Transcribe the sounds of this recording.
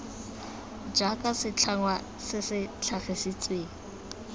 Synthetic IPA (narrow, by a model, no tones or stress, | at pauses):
d͡ʒakʼasɪt͡ɬʰaŋwa | sɪsɪt͡ɬʰaχɪsit͡sʼweːŋ̩